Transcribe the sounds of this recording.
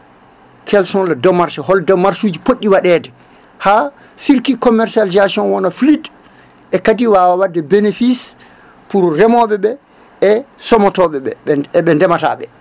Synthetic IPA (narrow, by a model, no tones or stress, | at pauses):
kʰɛlsɔnladɔmːaɾsɔɦɔldɔmːaɾsud͡ʒipoɗːiwaɗɛːdɛ | ha | siɾkikɔmɛɾsalizasiɔnwɔnaflid | ʔɛkadiwawawadːɛbenefis | puɾrɛmɔɓɛɓɛ | ɛsɔmɔtɔɓɛɓɛɓɛndɛmata̰ɓɛ